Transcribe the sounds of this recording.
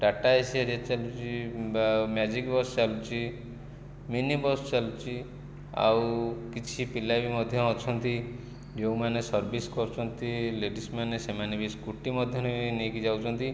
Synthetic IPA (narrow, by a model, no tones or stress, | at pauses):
ɖaʈaesiaɾat͡ʃalut͡ʃʰi | mjad͡ʒikbɔst͡ʃalut͡ʃʰi | minibɔst͡ʃalut͡ʃʰi | a̰wkit͡ʃʰipilabimɔd̪ʱjɔːt͡ʃʰɔnt̪i | d͡ʒewmanesɔɾbiskɔɾt͡ʃʰɔnt̪ileɖismanesemanebiskuʈimɔd̪ʱjɔnebnekid͡ʒawt͡ʃʰɔnt̪i